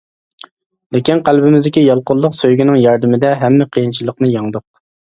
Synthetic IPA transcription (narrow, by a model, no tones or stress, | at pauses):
lɪkʲinqʰælbɪmɪzd̪ɪkʲijɑlˠqʊlˠːʊqsøjɡʲinɪŋjɑɾd̪ɪmɪd̪ɛɦɛmːɛqʰəjint͡ʃʰilˠəqnɨjɑŋd̪ʊq̚